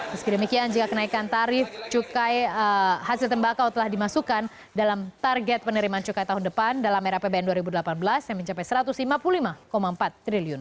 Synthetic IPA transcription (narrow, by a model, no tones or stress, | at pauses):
məskidəmikiand͡ʒikakənaikant̪aɾɪft͡ʃukajəhasɪlt̪əmbakawt̪əlahdimasukan | dalamt̪arɡɛt̪̚pənəɾimant͡ʃukajt̪aɦʊndəpandalamɛɾapebeɛnduaɾibudəlapanbəlasjaŋməɲt͡ʃapajsəɾat̪uslimapulimakomaəmpat̪ːɾiliʊn